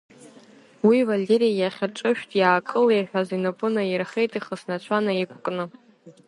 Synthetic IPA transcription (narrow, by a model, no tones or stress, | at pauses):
wivalʲeɾijajaχʲɪrʈ͡ʂʷʼɨʃᶣtʼjaːkʼɨlejħʷᶣazinɨpʼʊnairχejtʼiχəsnat͡ʃʷʰanaikʷʰʼkʼnɨ